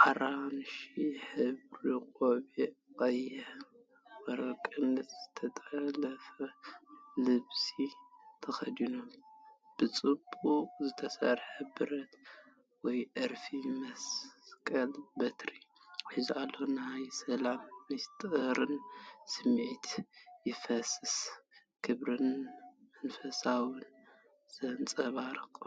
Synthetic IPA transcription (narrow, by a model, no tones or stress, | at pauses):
ʔaɾanʃiħɨβɾiqʼoβikʼɐjɛ | wɐɾɐkʼɨnːɐt̪z̥ɨt̪ʰɐt̪ʼɐlɐfɐ | lɨβsit̪ʰɐxɐd̪inomb̥ɨt͡sʼɨbːukʼzɨt̪ʰɐsɐ̰ɾħɐbɨɾɐt̪ | wɔjʔɨɾfimɐskʼɐlbɐt̪ɾiħizualːonajsɐlamːɨst̪ʼɾɨnsɨmʕit̪ʰjɪfɐsɨs | kʰɨβɾɨnmɐnfɐsawɨn | z̥ɐnt͡sʼɐβaɾɨkʼ